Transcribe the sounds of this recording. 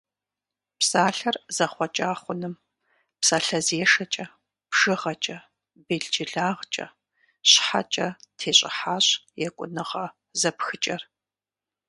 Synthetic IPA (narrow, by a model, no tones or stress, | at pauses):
psaːɬɐrz̥ɐχʷɔt͡ʃʼaːχʷʊnɨm | psaɬɐzeːʂɐt͡ʃʼɐ | pʂɨʁɐt͡ʃʼɐ | beɮd͡ʒɪɮaːʁt͡ʃʼɐ̰ | ɕħa̰t͡ʃʼɐtʰeːɕʼɪ̰ħaːɕjɛkʷʼʊ̰nɨʁɐ | zɐpxɨt͡ʃʼɐr